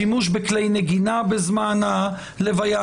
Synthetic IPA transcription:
imuʃbeklejneɡinabezmana | levaja

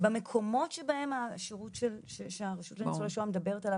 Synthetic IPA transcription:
beme̞kʰo̞mo̞tʃebaemaʃiʁutʃelʃeʃeaʁiʃutlenisolaʃoamedabeʁetalav

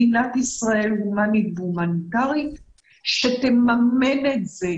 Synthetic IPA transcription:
inat̪isʁae̞lumanit̪vumantaʁit̪ | ʃet̪emamenet̪ze

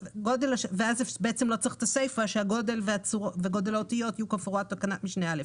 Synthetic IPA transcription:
ɡo̞de̞laʃveazefbeet͡semlo̞t͡siχt̪asejfaʃeaɡo̞de̞lveat͡suʁoveɡo̞delaotijo̞tijukafʁuat̪̚ːakanatmiʃnealef

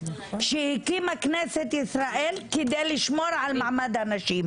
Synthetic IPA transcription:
ʃehikiːmakneset̪ʔisɾaʔeːlked̪ejlɪʃmoːɾʕalmaʕmad̪anaʃiːm

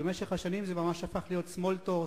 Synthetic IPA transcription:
emeʃeχhaʃanimzemamaʃafaχlijo̞t̪smo̞ltoʁ

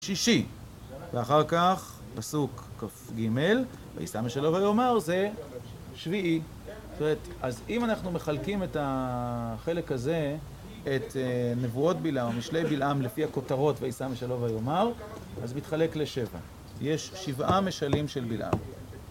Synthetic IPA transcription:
ʃiʃi | veaχaʁkaχ | pasukːafɡime̞l | va̰ḭsameʃalo̞vajomaʁze̞ | ʃviʔi | tome̞etʔazimanaχnume̞χalkime̞ta | χe̞le̞kaze̞ | etnevuo̞tbilʔamjiʃlejbilʔamlefiako̞taʁo̞tveisameʃalovajomaʁazmitχale̞kle̞ʃe̞va̰ | je̞ʃʃivame̞ʃalimʃelbilʔa̰m

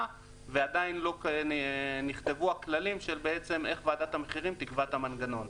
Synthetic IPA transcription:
vead̪ainlo̞k | niχt̪e̞vuaklalimʃe̞lbeet͡se̞me̞χvaːdat̪ameχiʁimt̪ikvat̪amanɡano̞n

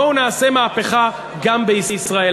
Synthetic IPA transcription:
ounaːse̞maːpeχa | ɡambeisisʁae

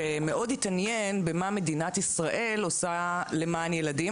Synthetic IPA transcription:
eme̞ʔo̞ditanjenbemame̞dinatisʁaʔe̞losale̞manjeladi

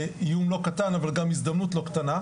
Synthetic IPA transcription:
ijumlo̞katanavalɡamizd̪amnutlo̞kt̪ana

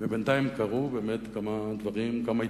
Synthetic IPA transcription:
vebent̪ajimkaʁubeːmet̪kamad̪vaʁimkamai

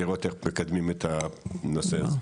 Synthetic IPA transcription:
eʁot̪emekad̪mimet̪anosea

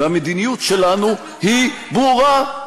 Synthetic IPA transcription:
amed̪inijutʃelanu | hi | bʁuʁa

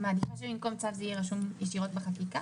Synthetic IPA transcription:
maːd̪ifaʃemimko̞mt͡savzɛijeʁaʃumjeʃiʁo̞t̪̚beχakika

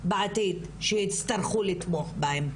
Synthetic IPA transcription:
baʕat̪it̪ | ʃejit͡st̪ɐɾχulit̪moχbaem

